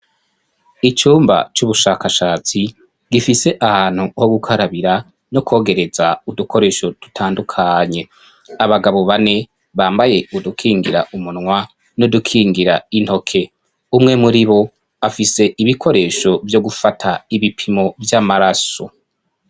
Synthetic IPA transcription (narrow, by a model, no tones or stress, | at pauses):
it͡ʃuːmba̰t͡ʃuβuʃaːkaʃaːt͡si | ɡifise̞ʔahaːn̥huhoɡukʰaɾaβiɾa | no̞kʰo̞ːɡe̞ɾe̞zaudukʰo̞ɾe̞ːʃo̞d̥utʰaːndukʰaɲe̞ | aβaɡaβo̞βane̞ | βaːmbaje̞udukʰiːŋɡiɾa̰ʔumunŋwa | nodukʰiːŋɡiɾain̥ho̞kʰe̞ | umŋe̞muɾiβo̞ | afise̞ʔiβikʰo̞ɾe̞ːʃo̞vjo̞ɡufatʰaiβipʰimo̞vjamaɾaso̞̰